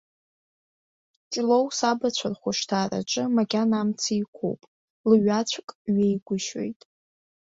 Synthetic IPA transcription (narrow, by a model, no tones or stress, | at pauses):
t͡ʃʼlo̞wsabat͡ɕʷʰarχʷʊʂtʰaːra̰ʈ͡ʂʼɨmaɡʲanamt͡sʰaikʷʰo̰wpʼ | lɥat͡ɕʷʰkʼɥejɡʷʊʃwḛjtʼ